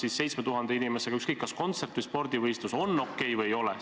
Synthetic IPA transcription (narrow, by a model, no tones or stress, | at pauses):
sisːe̞jt̪sme̞t̪uɦɑnd̪̥einimese̞ɡɑykskɤkˑːɑsko̞nt̪se̞rt̪vɯjspo̞rd̪ivɤjst̪uso̞nːo̞kːˑe̞jvɤjo̞lɛ